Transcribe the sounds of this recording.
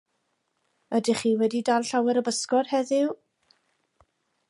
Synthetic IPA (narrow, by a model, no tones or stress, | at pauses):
ədɪχiːwɛdidalˠɬawɛɾəbəskɔrhɛðɪw